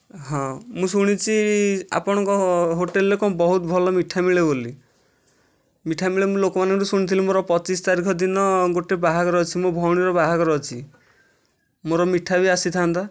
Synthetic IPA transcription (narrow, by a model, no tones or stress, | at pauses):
ɦɔ̃mũsuɽ̃it͡ʃʰia̰pɔɽ̃ɔŋkɔɦoʈelːekɔbɔɦut̪ɔbʱɔlɔmiʈʰamiɭeboli | miʈʰamiɭemũlokɔmanɔŋkusuɽ̃it̪ʰilimoɾɔpɔt͡ʃist̪aɾikʰɔd̪inɔɡoʈebaɦakɔɾɔt͡ʃʰimobʱɔwɽ̃iɾɔbaɦaɡɔɾɔt͡ʃʰi | moɾɔmiʈʰabiasit̪ʰant̪a